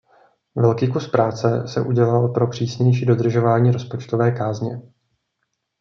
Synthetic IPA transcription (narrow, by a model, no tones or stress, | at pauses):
vɛlkiːkuspɾaːt͡sɛsɛ̰ʔuɟɛlalpɾo̞pr̥iːsɲɛjʃ̬iːdo̞d̪r̩ʒo̞vaːɲiːɾo̞spo̞t͡ʃt̪ovɛːkaːzɲɛ